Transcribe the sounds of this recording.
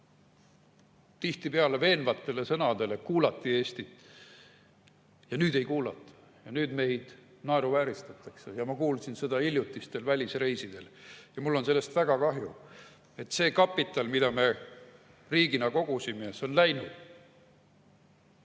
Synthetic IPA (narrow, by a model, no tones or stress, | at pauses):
t̪iht̪ipeɑle̞ve̞ːnvɑt̪ˑːe̞le̞sɤnɑd̪e̞le̞kuːlɑt̪ːˑie̞ːst̪i | jɑnyːd̪e̞jkuːlɑt̪ːˑɑ̥ | jɑnyːd̪me̞jd̪̥ | nɑe̞ɾuvæːɾist̪ɑt̪ːˑɑkse̞jɑmɑkuːlsinsed̪̥ɑilʲjut̪ˑːist̪e̞lvælʲisre̞jsid̪̥e̞ljɑmulːo̞nse̞lːe̞st̪væɡ̥ɑkɑɦju | e̞t̪ːse̞ːkɑpːˑit̪ːˑɑlmid̪ɑme̞ | riːɡinɑko̞ɡ̥usimeeso̞nlæjnud̪̥